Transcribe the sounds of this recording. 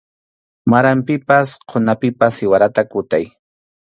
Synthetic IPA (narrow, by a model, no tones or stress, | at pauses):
maɾampɪpasqʰonapɪpasɪwaɾat̪akʊt̪aj